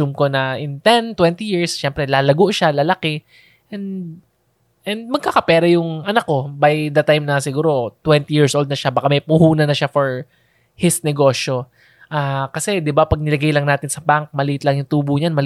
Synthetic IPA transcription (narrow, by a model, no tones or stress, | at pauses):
umko̞nɐʔɪnt̪ɛnt̪wɛnt̪ijiɹsʃɛmpɾɛlaːlɐɡoʔʃalalɐkɛ | ʔɛnd̪ | ʔɛnd̪̚mɐɡ̚kakɐpɛːɾɐjʊŋʔɐnɐkːo̞bajd̪ɐt̪ajmnɐsɪɡuːɾo̞t̪wɛnt̪ijiɹsʔold̪nɐʃabaːkamɐjpʊhuːnɐnɐʃafoɹ | hɪsnɛɡo̞ːʃo | ʔaːkɐsɛd̪ɪbapɐɡ̚nɪlɐɡajlɐŋnaːt̪ɪnsɐbaŋk̚mɐlɪʔɪt̪lɐŋjʊŋt̪uːbʊɲanmɐl